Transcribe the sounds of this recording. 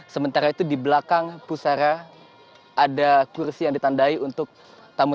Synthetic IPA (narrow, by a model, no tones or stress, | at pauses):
səmənt̪aɾait̪udibəlakaŋpusaɾaː | dakursijaŋdit̪andaiunt̪ʊk̚ | t̪amu